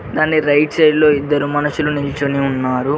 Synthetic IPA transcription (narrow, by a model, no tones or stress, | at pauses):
d̪aːnːiɾɐjʈsɐjlo̞ːid̪ːɐɾumɐnɐʃulunilt͡ʃɐniunːaːɾu